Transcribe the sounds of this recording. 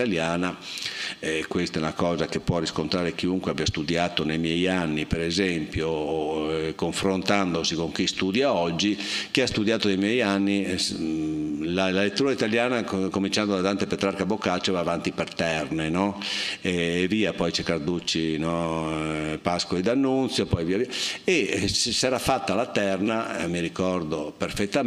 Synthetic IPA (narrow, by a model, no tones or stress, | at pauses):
t̪aljaːna | ɛkwest̪aɛunakɔːzakepːwɔriskont̪ɾaːɾek̟iuŋkweabjast̪ud̪jaːt̪onejmjɛjanːipɛɾɛzɛmpjo | koɱfɾont̪and̪osikoŋk̟ist̪ud̪jaɔd͡ʒːik̟iast̪ud̪jaːt̪onejmjɛjanːi | lalalet̪ːuːɾait̪aljaːnakomint͡ʃand̪od̪at̪ant̪epet̪ɾaɾkabokːat͡ʃːovaːvant̪ipert̪ɛrnenɔɛːviːapɔjt͡ʃɛkːard̪ut͡ʃːinɔ | paskoid̪anːunt̪sjopɔjviːaviːaessɛːɾafat̪ːalat̪ɛrnamiɾikɔrd̪operfet̪ːa